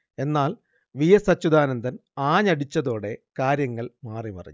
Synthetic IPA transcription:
e̞nːaːl | ʋijɐsɐt͡ɕːud̪aːnɐnd̪ɐnaːɲɐɽit͡ɕːɐðo̞ːɽe̞kaːɾjɐŋːɐɭmaːripɐ̰rɐ̰ɲːu

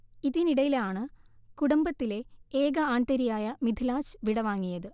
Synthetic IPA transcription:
iðiniɽɐjilaːɳɨ | kuɽɐmbɐt̪ːile̞eːɡɐaːɳʈ̪ɐɾijaːjɐmid̪ʱilaːsɨʋiɽɐʋaːŋːijɐðɨ

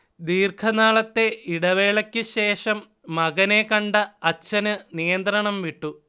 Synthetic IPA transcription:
d̪iːrkʰɐnaːɭɐt̪ːe̞iɽɐʋe̞ːɭɐkʲːɨɕe̞ːʂɐmː | ɐɣɐnekɐɳɖɐɐt͡ɕːɐnɨnijɐnd̪ɾɐɳɐmʋiʈːu

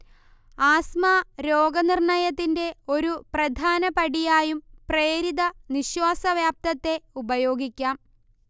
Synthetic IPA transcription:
aːsmaːɾo̞ːɡɐnirɳɐjɐt̪ːinde̞o̞ɾuprɐd̪ʱaːnɐpɐɽijaːjumpre̞ːɾid̪ɐniɕwaːsɐʋjaːp̚t̪ɐt̪ːe̞ubɐjo̞ːɡikʲːaːm

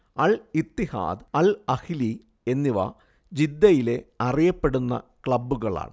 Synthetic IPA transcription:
ɐlit̪ːiha̰ːd̪ɐlɐhili | e̞nːiʋa̰ː | d͡ʑid̪ːɐjile̞ɐrijɐpːe̞ɽunːɐ̰kɭɐbːuɣɐɭa̰ːɳɨ

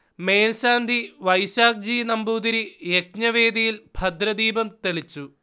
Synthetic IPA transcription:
me̞ːnɕaːnd̪ʱiʋɐjɕaːk̚d͡ʑiːnɐmbuːd̪iɾijek̚ɲɐʋe̞ːd̪ijilbʱɐd̪ɾɐd̪iːbɐmt̪eɭit͡ɕːu

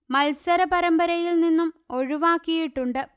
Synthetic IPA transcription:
mɐlsɐɾɐpɐɾɐmbɐɾɐjilninːumo̞ɻuʋaːkːijiʈːuɳɖɨ

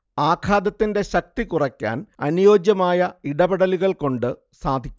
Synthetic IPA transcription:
aːkʰaːd̪ɐt̪ːinde̞ɕɐk̚t̪ikurɐkʲːa̰ːnɐnjo̞ːd͡ʑjɐmaːjɐiɽɐbɐɽɐliɣɐɭko̞ɳɖɨ | saːd̪ʱikʲː

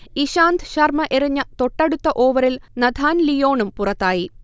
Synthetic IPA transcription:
iɕaːnd̪ɕɐrmɐʔeriɲːɐt̪o̞ʈːeɽut̪ːɐʔoːʋɐɾilnɐd̪ʱaːnlijo̞ːɳumpurɐt̪ːaːji

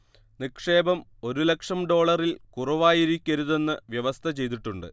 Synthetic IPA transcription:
nikʂe̞ːbɐmo̞ɾule̞kʂɐmɖo̞ːɭɐrilkurɐʋaːjiɾikʲːɐɾuðe̞nːɨʋjeʋɐst̪ʰɐt͡ɕe̞jt̪̬iʈːuɳɖɨ

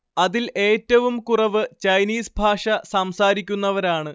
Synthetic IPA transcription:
ɐðilʔe̞ːtːɐʋumkurɐʋɨt͡ɕɐjniːsbʱaːʂɐsɐmsaːɾikʲːunːɐʋɐɾaːɳɨ

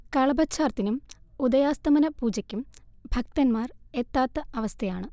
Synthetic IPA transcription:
kɐɭɐbɐtɕaːrt̪ːinumud̪ɐjaːst̪ɐmɐnɐpuːd͡ʑɐkʲːumbʱɐk̚t̪ɐnmaːret̪ːaːt̪ːɐɐʋɐst̪ʰɐjaːɳɨ

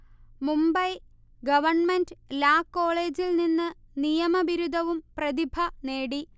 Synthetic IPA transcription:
mumbɐj | ɡɐʋɐrɳmendɨlaːkːo̞ːɭe̞ːd͡ʑilninːɨ | nijɐmɐʋiɾud̪ʱɐʋumprɐd̪ibʱɐne̞ːɽi

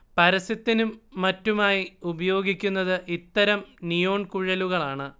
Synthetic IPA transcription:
pɐɾɐsɐt̪ːinumːɐtːumaːjiubɐjo̞ːɡikʲːunːɐðɨʔit̪ːɐɾɐmnijo̞ːɳkuɻɐluɣɐɭaːɳɨ

